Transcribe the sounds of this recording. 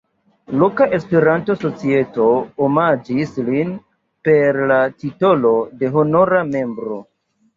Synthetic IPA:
lo̞kaʔe̞speɾanto̞sot͡sie̞to̞omad͡ʒislin | pe̞ɾlatito̞lo̞de̞ɦo̞no̞ɾame̞mbɾo̞

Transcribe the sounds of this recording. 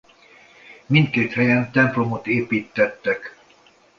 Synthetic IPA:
mint̪keːt̪hɛjɛnt̪ɛmplo̞mot̪eːpiːt̪ːɛt̪ːɛk

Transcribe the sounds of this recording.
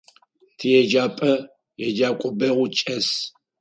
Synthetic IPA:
tʰɨjɛd͡ʒaːpʼɐ | jɛd͡ʒaːkʷʼɔbɐʁʷʊt͡ʃʼɐs

